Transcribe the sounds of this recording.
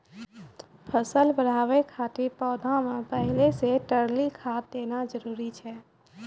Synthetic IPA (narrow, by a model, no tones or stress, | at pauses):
pʰəsəlbəɽ̤aːʋekʰaːt̪epɔːd̪ʱãmẽpəɦɪleseʈəɾlikʰaːt̚d̪eːnad͡ʒəɾuːɾit͡ʃʰɛː